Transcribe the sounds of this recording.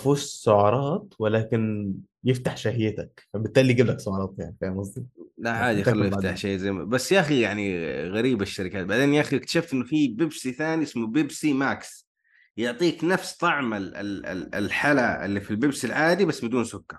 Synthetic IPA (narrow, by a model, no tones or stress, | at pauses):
fuːʃsʊʕɑɾˤɑːt̪wɪlaːkɪn | jɪft̪aħʃahjɪt̪akfabɪt̪ːaːlːiːɡablaksʊʕɑɾˤɑːt̪jaʕnifajmɑsˤd̪ilaʕaːd̪ijalːjɪft̪aħʃajːɪt̪zajmabasːjaʔaxijaʕniɣaɾiːbaʃːaɾɪkaːt̪̚baʕd̪eːnjaʔaxiɪkt̪ḁʃaːft̪ʔɪnːʊfibɪbsiθaːniʔɪsmʊbɪbsimaːks | jʊʕt̪ˤiːknafst̪ˤɑʕmalɪ̰lɪ̰ɪ̰lħalaɪ̰lːifilbɪbsilʕaːd̪ibasːmɪd̪uːnsʊkːɑɾˤ